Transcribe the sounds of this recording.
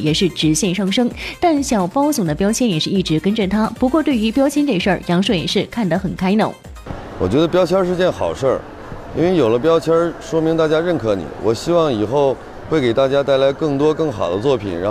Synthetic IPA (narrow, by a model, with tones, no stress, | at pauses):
jɛ˨˩ʂɻ̩˥˩ʈ͡ʂɻ̩˧˥ɕjɛ˥˧nʂɑ˥˩ŋʂɤ˥ŋt̪a˥˩nɕjɑ˨˩ʊpɑ˥ʊsʊ˨˩d̪ə˦pjɑ˥ʊt͡ɕʰjɛ˥njɛ˨˩ʂɻ̩˥˧i˥˩ʈ͡ʂɻ̩˧˥kə˥nʈ͡ʂə˨t̪ʰa˥pu˧˥kwɔ˥˧t̪we˥˩ɪy˧˥pjɑ˥ʊt͡ɕʰjnʈ͡ʂe˥˧ʂə˞˥˩jɑ˧˥ŋʂə˥˩jɛ˨˩ʂɻ̩˥˧kʰa˥˩nd̪ə˩xə˨˩nkʰa˥ɪnə̰˥˩ | wɔ˨˩t͡ɕɥɛ˧˥d̪ə˧pjɑ˥ʊt͡ɕʰjɑ˥ʂɻ̩˥˧t͡ɕjɛ˥˩nxɑ˨˩ʊʂə˥˩ | ḭ˥nwe˥˩ɪjo˨˩ʊlə˦pjɑ˥ʊt͡ɕʰjɑ˥ʂwɔ˥mi˧˥ŋt̪a˥˩t͡ɕja˥ɻə˥˩nkʰɤ˧˥nḭ˨˩˦wʔɔ˨˩ɕi˥wɑ˥˩ŋi˨˩xo˥˧ʊ | xwe˥˩ɪke˨˩ɪt̪a˥˩t͡ɕja˥t̪a˥˩ɪla˧˥ɪkɤ˥˩ŋt̪wɔ˥kɤ˥˩ŋxɑ˨˩ʊd̪ə˦t͡swɔ˥˩pʰḭ˨˩nɻa˧˥